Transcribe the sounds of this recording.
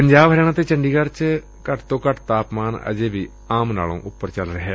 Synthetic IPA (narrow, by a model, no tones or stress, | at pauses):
pəɲd͡ʒaːbɦəɾeːɽ̃ãːt̪eːt͡ʃəɳɖiːkəɾt͡ʃ | kəʈt̪õːkəʈʰt̪aːpmaːnə̰d͡ʒeːbiː | aːmna̰ːlõ̰ːʔʊpːəɾt͡ʃəlɾəɦe